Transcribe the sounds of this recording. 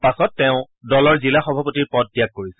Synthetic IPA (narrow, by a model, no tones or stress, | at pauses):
pasɔtːɛʊ̃ | dɔlɔɹzilaxɔbʱapotiɹpɔt̚bijaɡ̚koɹisɛ